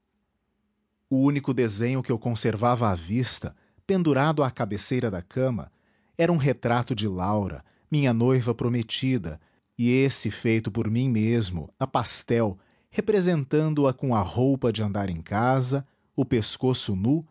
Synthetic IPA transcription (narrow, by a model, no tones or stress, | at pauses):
ʊũnikʊd̪ezẽɲʊkɪewkõseɾvavɐːvist̪ɐ | pẽnd̪uɾad̪ʊakabesejɾɐd̪ɐkʰɐ̃mɐ̰ | ɛɾɐũɦet̪ɾat̪ʊd͡ʒɪlawɾɐ̰ | mĩɲɐnojvɐpɾomet͡ʃid̪ɐ̰ | ɪesɪfejt̪ʊpoɾmĩmezmʊ̰ɐpast̪ɛw | hepɾezẽnt̪ɐ̃nd̪ʊɐkõɐhowpɐd͡ʒɪɐ̃nd̪aɾẽkazɐ | ʊpeskosʊnu